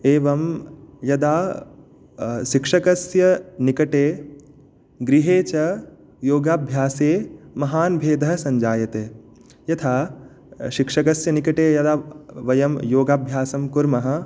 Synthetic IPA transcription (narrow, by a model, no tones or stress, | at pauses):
eːʋɐmjɐd̪aː | ʃikʂɐkɐsjɐnikɐʈeː | ɡɾiɦeːt͡ʃɐ | joːɡaːbʱjaːseːmɐɦaːnbʱeːd̪ʱɐɦɐsɐɲd͡ʒaːjɐt̪eː | jɐt̪ʰaː | ʃikʂɐkɐsjɐnikɐʈeːjɐd̪aːʋɐjɐmjoːɡaːbʱjaːsɐmkuɾmɐɦɐ̆